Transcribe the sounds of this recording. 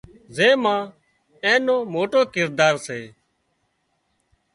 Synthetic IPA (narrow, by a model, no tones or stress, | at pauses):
zẽːmãː | ẽːnoːmoːʈoːkɪɾd̪aːɾseː